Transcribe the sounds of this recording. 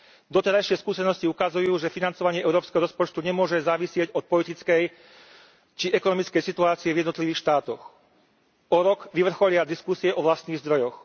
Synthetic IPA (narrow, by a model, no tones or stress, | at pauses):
d̪ɔt̪ɛɾajʃɪɛskuːsɛnɔsciukazujuːʒɛfinant͡sɔʋaɲɪɛʔɛʊɾɔːpskɛɦɔɾɔspɔt͡ʃt̪uɲɛmʊɔʒɛzaːʋisɪɛɟɔt̪̚pɔlit̪it͡skɛj | t͡ʃiʔɛkɔnɔmit͡skɛjsit̪uaːt͡siɛvjɛd̪nɔt̪liʋiːxʃt̪aːt̪ɔx | ɔɾɔɡʋiʋr̩xɔʎɪad̪iskusiɛʔɔʋlast̪niːɣzd̪ɾɔjɔx